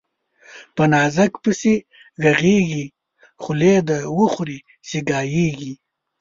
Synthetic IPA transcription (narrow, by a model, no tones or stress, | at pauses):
pɐnaːzɐkpəse | ɡɐɣeːɡi | χʊled̪awuxuɾi | seɡaːjeːɡi